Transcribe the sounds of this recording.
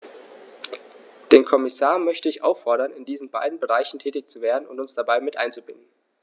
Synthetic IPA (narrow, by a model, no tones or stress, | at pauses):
d̥eːnkʰɔmɪsaːɐmœçtəɪçʔa̰ʊfːɔɐɾɐnɪndiːzn̩baɪdn̩bəʁaɪçn̩tʰɛːtɪçt͡suveːɐdn̩ʊ̰ntʊnsd̥abaɪmɪtʔa̰ɪnt͡subɪnd̚n̩